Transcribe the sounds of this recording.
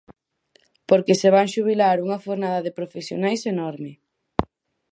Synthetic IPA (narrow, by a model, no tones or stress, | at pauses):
poɾkeseβ̞aŋʃuβ̞ilaɾuŋɐfoɾnað̞ɐðepɾofesjo̰najsenɔɾmɪ